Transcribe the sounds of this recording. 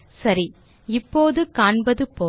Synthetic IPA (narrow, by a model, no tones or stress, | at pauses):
sɐɾi | ɪpːoːðɯkaːɳbɐðɯpoː